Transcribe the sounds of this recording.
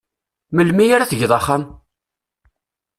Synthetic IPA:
məlmijaɾaθəʝðˤɑχːam

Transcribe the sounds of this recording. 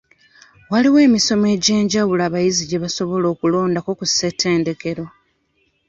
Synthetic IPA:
waliwe̞ːmiso̞me̞ːɟe̞ːɲɟawulaːβajiziɟe̞βaso̞βo̞lo̞ːkulo̞ːndakokuse̞tʰe̞ːnde̞ke̞ɾo̞

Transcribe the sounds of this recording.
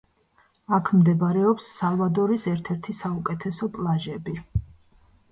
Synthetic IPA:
akʰmd̪ɛbaɾɛɔpsːalˠvad̪ɔɾisɛɾt̪ʰɛɾt̪ʰisaukʼɛt̪ʰɛsɔpʼlˠaʒɛbi

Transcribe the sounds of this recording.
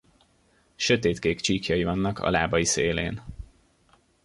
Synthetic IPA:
ʃø̞t̪eːt̪keːkt͡ʃiːkjɒjivɒnːɒkʰɒ̰la̰ːbɒjiseːleːn

